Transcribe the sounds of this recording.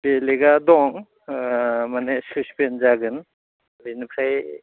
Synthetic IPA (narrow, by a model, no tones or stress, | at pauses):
beleɡadɔŋ | manesuspenzaɡɯn | binipʰɾaj